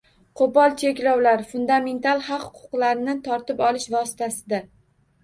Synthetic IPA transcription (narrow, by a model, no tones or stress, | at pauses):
qʰopɒlˠt͡ʃʰe̞kʲlɒwlaɾfʊnd̪ame̞nt̪ʰalˠχɑqhʊ̥qʰʊ̥qlaɾɪnɪt̪ʰɒɾt̪ɪpɒlɪʃvɒsɪ̥t̪ʰasɪd̪a